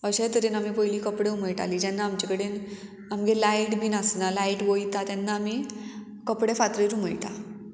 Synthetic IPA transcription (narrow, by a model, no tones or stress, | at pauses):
əɕet̪əɾenamipəɦiliːkəpɽeuməjʈa̰liːd͡ʑɛnːaːmt͡ɕekəɽen | amɡelaiʈbʱinasnalaiʈʋojt̪at̪ɛnːaːmi | kəpɽefat̪ɾeɾuməjʈ̪a